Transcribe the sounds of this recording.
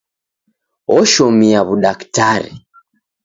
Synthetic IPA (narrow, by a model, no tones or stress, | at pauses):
ɔʃɔmiaβuɗaktaɾḭ